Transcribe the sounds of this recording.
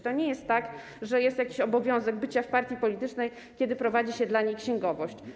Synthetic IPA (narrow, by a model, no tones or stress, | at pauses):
t̪ɔɲɛjɛst̪ːak | ʐɛjɛst̪jakʲiɕɔbɔvʲjɔ̃w̃zɛɡ̚bɘt͡ɕafpaɾt̪ʲjipɔlʲit̪ɘt͡ʂnɛj | kʲɛd̪ɘpɾɔvad͡ʑiɕɛd̪laɲejkɕɛŋɡɔvɔɕt͡ɕ